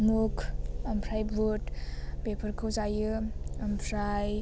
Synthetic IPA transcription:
mukʰɐmpʰɾajbutbepʰəɾkʰɯwzajɯɐmpʰɾaj

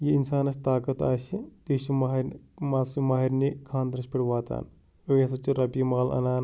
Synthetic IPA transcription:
jiinsaːnɐsʲt̪aːkɐt̪aːʃit̪iːʃummaːsumaːɦiɾnikʰaːnd̪ɐɾɐspʲiɽʈʋaːt̪a̰ːn | ojɐsɐt͡ʃiɾɐpiːmaːlɐ̰naːn

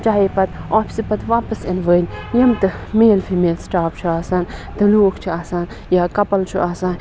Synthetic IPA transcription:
t͡ʃaːipɐt̪oːpʰi̥sipɐt̪ʋaːpɐsɐnʋənʲjɐmt̪ɨmeːlpʰimeːlsʈaːp̚t͡ʃʰuaːsaːnt̪ɨloːkʰt͡ʃʰiaːsaːn | jaːkɐpɐlt͡ʃʰuʔaːsaːn

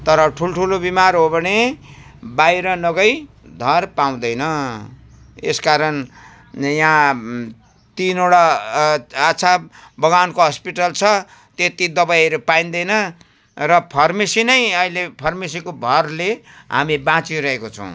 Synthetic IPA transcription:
t̪ʌɾʌʈʰulʈʰulobimaɾrɦobʱʌne | bajɾʌnʌɡʌj | d̪ʱʌrpaw̃d̪ʌjnʌ | eskaɾʌn | jã | t̪inoɽa | at͡sʰabʌɡankoɦʌspiʈʌlt͡sʰʌ | t̪jet̪id̪ʌbajʌɾepaĩnd̪ʌjnʌ | rʌpʰʌrmisinʌjʌilepʰʌrmis̬ikobʱʌrleɦa̰mibãt͡siɾʌɦekot͡sʰʌ̰̃w̃

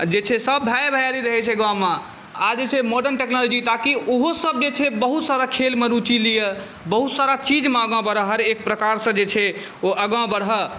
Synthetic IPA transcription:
d͡ʒet͡ʃʰɛsəbʱaebʱajaɾiɾəɦɛt͡ʃʰɛɡãmã | ad͡ʒet͡ʃʰɛmoɖənʈeknɔlod͡ʒit̪akiʔoɦosəb̚d͡ʒet͡ʃʰɛbəɦut̪saɾakʰelmeɾut͡ʃilijə | bəɦut̪saɾat͡ʃid͡ʒmeəɡãbəɽəɦəɾek̚pɾəkaɾsə̃d͡ʒet͡ʃʰɛ | oʔəɡãbəɽ̤ɦə

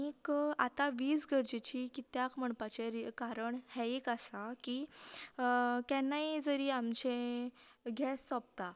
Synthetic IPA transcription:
ika̰t̪aʋiːsɡʱəɾd͡ʑet͡ɕiːkit̪jakm̤əɳpat͡ɕeɾkaɾəɳhɛikasaki | kjɛnːaɦid͡zəɾiamt͡ɕẽ | ɡʱɛsːɔp̚t̪a

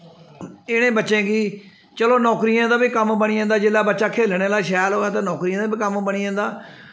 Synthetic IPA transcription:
ɪɽ̃ẽːbətːʃẽːɡiː | t͡ʃəloːnɔːkɾiːjãːd̪aːbiːkəmbəɽiːãːnd̪aːd͡ʒɪːlaːbətːʃaːkʰeːlɳeːlaːʃɛːlɦoːaːt̪eːnɔːkɾiːãːd̪aːbiːkəmbəɽ̃iːãːnd̪aː

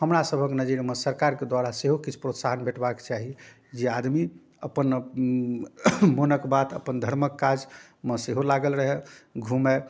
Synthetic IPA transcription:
ɦəmɾasəbʱəknəd͡ʒiɾmesəɾkaɾked̪waɾaseɦokit͡ʃʰpɾot̪saɦənbʱeʈbake̥t͡ʃaɦi | d͡ʒead̪mi | əpən | monəkbat̪ə̰pənd̪ʱəɾməkːad͡ʒ | meseɦolaɡəlɾəɦɛɡʱume

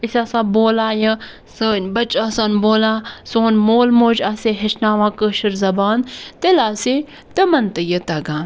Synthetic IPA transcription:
isʲaːsãːboːlaːjə̃ | səːnʲbɐt͡ʃasaːnʲboːlãːsoːnmoːlmoːd͡ʒaseɦɐʃnaːʋãːkəːʃɐɾzɐbaːnt̪elaːse | t̪əmɐnt̪əjət̪ɐɡãːn

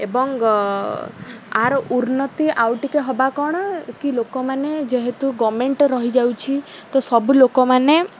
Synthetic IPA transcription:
ebɔŋ | aɾuɾnɔt̪iʔawʈikeɦɔbakɔɽ̃ɔkilokɔmaned͡ʒeɦet̪uɡɔmeɳʈɾɔɦid͡ʒawt͡ʃʰit̪ɔsɔbulokɔmane

